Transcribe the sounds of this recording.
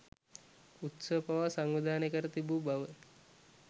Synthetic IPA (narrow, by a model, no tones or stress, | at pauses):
ut̪səpaʋasaŋʋid̪aːnekəɾət̪ibuːbaʋə